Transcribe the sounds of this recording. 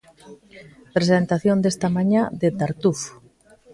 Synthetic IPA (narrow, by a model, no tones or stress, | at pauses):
pɾesent̪aθjond̪est̪amaɲãd̪et̪aɾt̪uf